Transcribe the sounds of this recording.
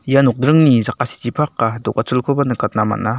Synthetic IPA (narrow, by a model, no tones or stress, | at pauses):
ijanɔk̚dɾɯŋnizakasi̥tipʰakːadɔk̚at͡sulkʰobanɯkʰat̚nama̰na